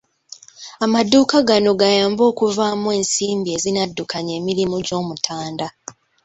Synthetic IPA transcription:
amaduːkaɡano̞ɡajaːmbo̞ːkuvaːmwe̞ːnsiːmbie̞zinadːukʰaɲe̞ːmiɾimuɟo̞ːmutʰaːnda

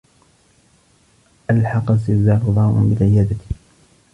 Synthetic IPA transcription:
ʔalħɑqasɪzaːlʊðˤɑːʔʊ̰bɪlʕɪjaːd̪at̪

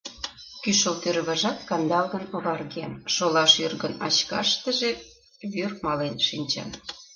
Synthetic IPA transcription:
kyʃolt̪øɾβɑʒɑt̪kɑnd̪ɑlɣə̆noβɑrɣemʃolɑʃyrɣənɑt͡ɕkɑ̰ʃt̪ə̆ʒe | βyrmɑlenʃinʲt͡ɕɑ̰n

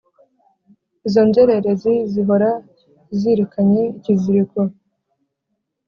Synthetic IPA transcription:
izo̞nzeɾe̞ɾe̞ziziβoɾa | ziɾikaɲe̞iciziɾiko

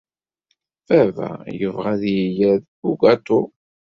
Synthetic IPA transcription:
ævæ̰jəvʁæðjijæð | uɡɑt̪u

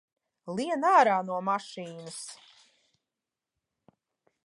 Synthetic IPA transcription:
lˠiɛnaːɾaːnuɔmaʃiːnɐs

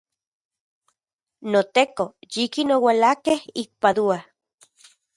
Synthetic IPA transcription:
not̪ekojikinowalakehik̚paðua

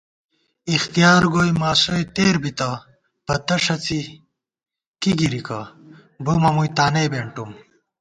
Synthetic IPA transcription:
ixt̪ijaːɾɡojmaːsojt̪eːɾbit̪ɐ | pɐt̪ɐʂɐt͡si | kiɡiɾika | bomɐmujt̪aːnejbeːɳʈum

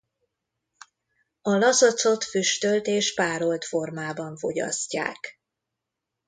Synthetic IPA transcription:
ɒlɒsot̪so̞t̪fyʃt̪ølt̪eːʃpaːɾo̞lt̪fo̞rmaːbɒɱfo̞̰ɟɒ̰sca̰ːk

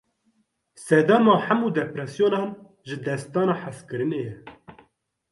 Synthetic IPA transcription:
sɛd̪ɛmɑːħæmuːd̪ɛpɾɛsjoːnɑːn | ʒɨd̪ɛst̪ɑːnɑːħaskɨɾɨnejɛ

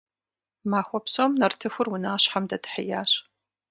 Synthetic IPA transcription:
maːxʷɔpsomnɐrtʰɨxʷʊrʊnaːɕħamdɐdʰɨ̥ħɪjaːɕ

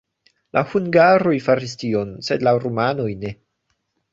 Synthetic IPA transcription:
lʔahuŋɡaɾojfaɾistio̞nsedlaɾomanojne̞

